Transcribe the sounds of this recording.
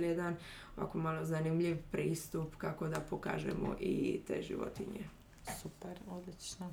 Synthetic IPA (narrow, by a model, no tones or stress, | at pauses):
ljed̪an | oʋa̰komalˠo̞zanimʎiʋpɾiːst̪upkako̞d̪apoka̰ːʒḛmo̰ʔit̪ḛːʒḭʋo̰t̪iɲe | supeɾod̪lit͡ʃno